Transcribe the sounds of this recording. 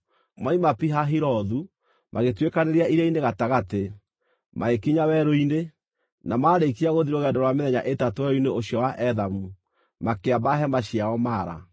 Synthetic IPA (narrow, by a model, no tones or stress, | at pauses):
maimapiɦaɦiɾɔðu | maɣetwekaneɾiaiɾaineɣataɣate | maekiɲawɛɾoine | namaɾeikiaɣoðiɾoɣɛndɔɾwameðɛɲa̰ʔetatowɛoineoɕjɔwaʔɛðamu | makeabaɦɛmaɕiaɔmaːɾa̰